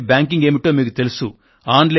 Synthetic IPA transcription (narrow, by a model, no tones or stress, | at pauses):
bʲjaːŋkiŋɡe̞ːmiʈo̞ːmiːk̬ut̪e̞lusu | aːnɖle